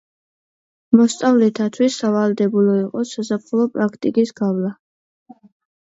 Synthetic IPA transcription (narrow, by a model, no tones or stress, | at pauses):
mɔst̪sʼavlɛt̪ʰat̪ʰwisːavald̪ɛbulɔiqʼɔsasapχʰlɔpʼɾakʰt̪ʼikʼisɡavla